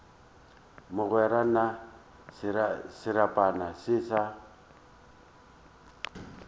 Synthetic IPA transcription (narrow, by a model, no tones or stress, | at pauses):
mʊɣwɛɾana | sɪɾapʼanasiːsa